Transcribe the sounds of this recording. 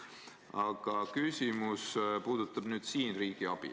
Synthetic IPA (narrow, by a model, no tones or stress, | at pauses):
ɑɡ̥ɑkysʲimuspuːd̪̥ut̪ːˑɑb̥nyːd̪̥siːnriːɡ̥iɑb̥ḭ